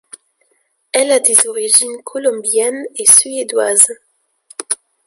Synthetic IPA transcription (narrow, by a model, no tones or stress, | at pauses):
ɛlad̪ezoʁiʒinkʰolɔmbjɛnesyed̪waz